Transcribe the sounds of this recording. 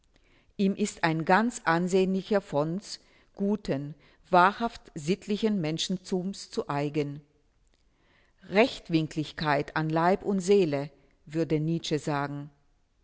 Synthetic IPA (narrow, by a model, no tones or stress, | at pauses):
ʔiːmʔɪstaɪnɡant͡sʔanzeːənlɪçɐfɔns | ɡ̥uːtʰən | v̥aːɐhaftz̥ɪtʰlɪçənmɛnʃn̩t͡suːmst͡suʔaɪɡən | ʁɛçtv̥ɪŋklɪçkʰaɪtʰanlaɪpʊntz̥eːlə | vʏɐdəniːt͡ʃəzaːɡŋ̩